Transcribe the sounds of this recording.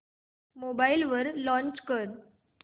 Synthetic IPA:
mobailʋəɾlɔ̃ɲt͡ɕkəɾ

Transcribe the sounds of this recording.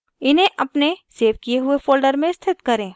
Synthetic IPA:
ɪnɦẽʔɐpneseːʋkieɦʊefoːlɖəɾmẽst̪ʰɪt̪kɐɾẽː

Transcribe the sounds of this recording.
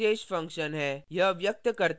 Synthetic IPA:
eːʃfɐ̃ŋkʃənɦɛjɐɦʋjək̚t̪əkəɾt̪

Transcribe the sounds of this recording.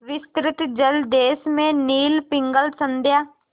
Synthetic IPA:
ʋɪst̪ɾɪt̪d͡ʒəld̪eːsmẽːniːlpɪŋɡəlsə̃nd̪jaː

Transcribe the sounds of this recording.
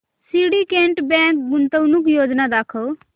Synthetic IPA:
siːɽikẽːɳʈbɛ̃ːŋk̚ɡʊnt̪ənʊk̬joːd͡ʒnad̪aːkʰo

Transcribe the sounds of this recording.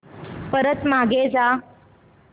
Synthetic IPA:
pəɾət̪maɡed͡za

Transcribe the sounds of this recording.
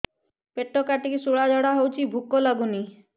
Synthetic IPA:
peʈːokaʈikisuɭad͡ʒɔɽaɦowt͡ʃʰibʱukːɔlaɡuni

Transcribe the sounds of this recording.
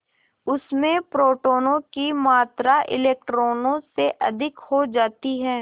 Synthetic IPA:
ʊsmẽpɾoːʈoːnõkimaːt̪ɾaʔɪ̰leːk̚ʈɾoːnõseʔɐ̰d̪ʱɪkhod͡ʒaːt̪iɦɛː

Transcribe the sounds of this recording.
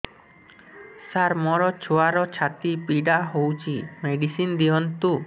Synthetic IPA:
saɾmɔɾɔt͡ʃʰoaɾɔt͡ʃʰat̪ipiɖaɦowt͡ʃʰimeɖisind̪iɔnt̪u

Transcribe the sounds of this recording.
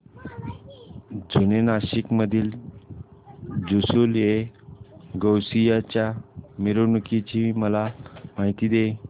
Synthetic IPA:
d͡zʱunenaɕikməd̪ʱiːl | d͡zusule | ɡəwsijat͡ɕjamiɾonukit͡ɕiməlamaɦit̪iːd̪e

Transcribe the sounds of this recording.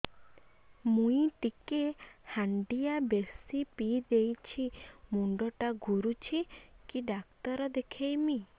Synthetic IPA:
mũĩʈikehaɳɖiabesipid̪ejt͡ʃʰimuɳɖɔʈaɡʱuɾut͡ʃʰikiɖak̚t̪ɔɾɔd̪ekʰejmi

